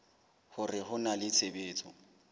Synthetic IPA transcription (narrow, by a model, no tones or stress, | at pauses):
hʊrɪhʊnalɪt͡sʰebeːt͡sʰʼɔ̰